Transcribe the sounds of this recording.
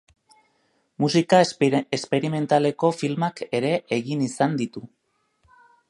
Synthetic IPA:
musikaespe̞ɾime̞nt̪ale̞ko̞filmake̞ɾe̞ʔeɣinisand̪it̪u

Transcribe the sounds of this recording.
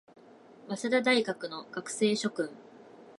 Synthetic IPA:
βasad̪ad̪aiɡakɯ̟no̞ɡ̥akɯ̟̥se̞ːɕo̞kɯ̟̃ŋ

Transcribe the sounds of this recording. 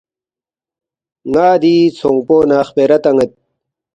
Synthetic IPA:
ŋaːd̪iːt͡sʰoŋpoːnaːχpeːɾɐt̪ɐŋet̪̚

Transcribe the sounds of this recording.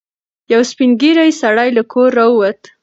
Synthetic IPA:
jawspinɡiɾajsaɽajlakʰoɾːaəwat̪

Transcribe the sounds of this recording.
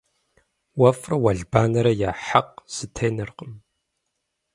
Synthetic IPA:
wɐfrɐwɐɮbaːnɐɾɐjaːħaq̚sɨtʰejnɨrqʼəm

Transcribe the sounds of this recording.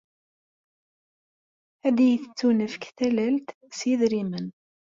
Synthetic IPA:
æd̪ijəθət͡sːunəfkθælælt̪ | sjiðɾimən

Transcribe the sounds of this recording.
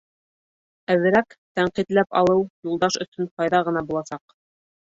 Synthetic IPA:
æwɘ̆ɾækt̪æɴqit̪læpɑ̰lˠɤwjulˠd̪ɑʃɵ̆sɵnqɑjðɑʁɤ̆nɑbulˠɑsɑq

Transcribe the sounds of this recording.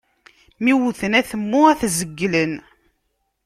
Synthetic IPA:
miwuθənæθəmːʊæθzəɡːlən

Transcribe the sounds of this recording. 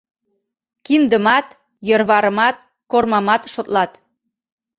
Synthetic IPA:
kind̪əmɑt̪ | jərβɑɾə̆mɑt̪̚ | kormɑmɑt̪ʃot̪lɑt̪

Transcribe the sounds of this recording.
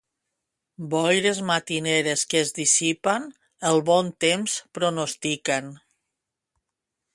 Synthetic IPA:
bɔjɾezmat̪ineɾeskezðisipan | əlˠβɔnt̪emspɾonost̪iken

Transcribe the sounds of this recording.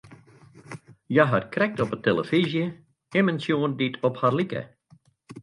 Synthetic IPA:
jaɦatkrɛk̚tɔpətelə̰fizjə | ɪmənsjoːənditʰɔpharlikə̰

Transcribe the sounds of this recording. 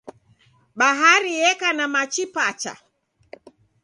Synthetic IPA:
ɓaɦaɾiɛkanamat͡ʃipat͡ʃa̰

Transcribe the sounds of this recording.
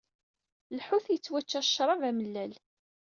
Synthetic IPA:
lħuθjət͡sːwæt͡ʃːæʃɾˤɑvæməlːæl

